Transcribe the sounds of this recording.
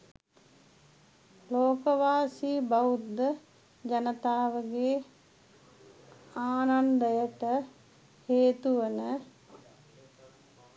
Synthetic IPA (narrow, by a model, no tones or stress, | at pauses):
loːkəʋaːsiːbaud̪ːə | d͡ʒanət̪aːʋəɡeː | aːnand̪əjəʈə | heːt̪uʋənə